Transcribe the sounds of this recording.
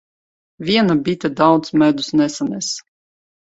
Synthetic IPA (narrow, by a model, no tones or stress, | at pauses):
vʲiɛnabʲit̪ʲɛd̪awt̪smæd̪usnɛsanʲɛs